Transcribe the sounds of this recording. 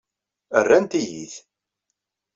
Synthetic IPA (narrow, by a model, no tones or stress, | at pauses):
ərːænt̪ijḭθ